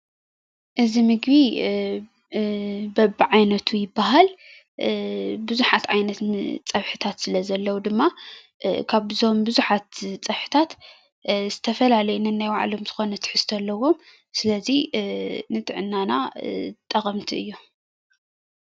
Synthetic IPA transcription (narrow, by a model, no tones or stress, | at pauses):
ʔɨzimɨɡbi | bɐbʕajnɐt̪ʰujɪbːaɦal | bɨzuħat̪ʕajnɐt̪t͡sʼɐβħɨt̪ʰat̪sɨlɐzɐlːɐwud̪ɨmːa | kʰaβzo̞mbɨzuħat̪t͡sʼɐβħɨ̥t̪ʰat̪ | z̥ɨt̪ʰɐfɐlalɐjnɨnːajwaʕa̰lo̞mzɨxo̞nɐt̪ʰɨ̥ħɨst̪ʰɐlːɐwo̞m | sɨlɐzi | nɨt̪ʼɨʕɨnːanat̪ʼːɐxʼɐmt̪ʰiʔɨjːu